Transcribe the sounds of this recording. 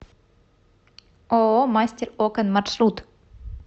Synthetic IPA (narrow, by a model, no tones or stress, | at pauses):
ɔmajst̪ɛɾɔːkanmasrut̪